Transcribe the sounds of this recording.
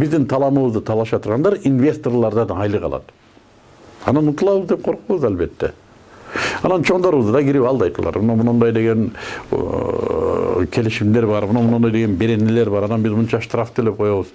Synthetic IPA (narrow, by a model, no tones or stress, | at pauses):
bizd̪int̪ʰɑlˠɑmɯβɯzd̪ɯt̪ʰɑlˠɑʃɑt̪ʰuɾʁɑnd̪ɑɾinvʲe̞st̪o̞rlˠɑɾd̪ɑd̪ɑjlˠɯqʰɑ̰lˠɑ̰t̪ | ɑnɑnut̪ɯlˠɑβɯzd̪e̞p̚qʰo̞ɾquβɯzalʲbe̞t̪ːḛ | ɑnɑnt͡ʃʰo̞ɴd̪oɾuβɯzd̪d̪ɑɡiɾipɑlˠd̪ɑjt̪ulˠɑ̰ɾmunɑmunɑnd̪ɑjd̪e̞ɡe̞n | kʲʰe̞liʃimd̪e̞ɾbɑɾmunɑmunɑnd̪ɑjd̪eɡe̞nbe̞ɾe̞nele̞ɾbɑɾɑnɑnbizmunt͡ʃɑʃt̪raft̪ʰøle̞p̚qʰo̞joβuz